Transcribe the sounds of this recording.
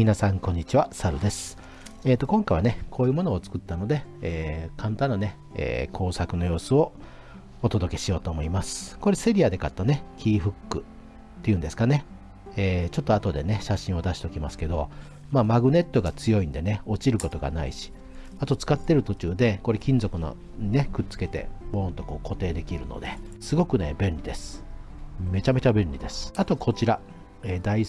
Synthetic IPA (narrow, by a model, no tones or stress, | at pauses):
mʲinasãŋkõ̞ɲ̟ːit͡ɕiβasaɾɯ̟d̪e̞sɨ̥ | e̞ːt̪ːo̞kõ̞ŋkaiβane̞kʰo̞ːjɯ̟mo̞no̞ːt͡sɨ̥kɯ̟t̪ːano̞d̪e̞eːkãnt̪ãnːane̞ | ḛːkʰo̞ːsakɯ̟no̞jo̞ːsɨo̞ː | t̪o̞d̪o̞ke̞ɕijo̞ːt̪oːmo̞imasɨ̥ko̞ɾe̞se̞ɾʲiad̪e̞kat̪ːone̞kʲiːɸɯ̟kːɯ̟ | t̪ːe̞jɯ̟nd̪e̞sɨ̥kane̞ | eːt͡ɕo̞t̪ːo̞at̪o̞d̪e̞ne̞ɕaɕĩɰ̃o̞d̪aɕi̥t̪o̞kʲimasɨ̥ke̞d̪o̞̰ | maːmaɡɯ̟ne̞t̪ːo̞ɡat͡sɨjo̞ĩnd̪e̞ne̞o̞t͡ɕiɾɯ̟ko̞t̪o̞ɡa̰na̰ḭɕi̥ | at̪o̞t͡sɨ̥kat̪ːe̞ɾɯ̟t̪o̞t͡ɕɨːd̪e̞ko̞ɾe̞kʲĩnzo̞kɯ̟no̰ | ɲine̞kɯ̟t͡sɨ̥ke̞t̪e̞̰moːnt̪oko̞ːko̞t̪e̞ːd̪e̞kʲiɾɯ̟̰no̞̰d̪e̞sɨɡo̞kɯ̟ne̞bẽ̞nʲɾʲid̪e̞sɨ̥ | me̞t͡ɕame̞t͡ɕabẽ̞nʲɾʲid̪e̞sɨ̥at̪o̞kʰo̞t͡ɕiɾa | eːd̪ai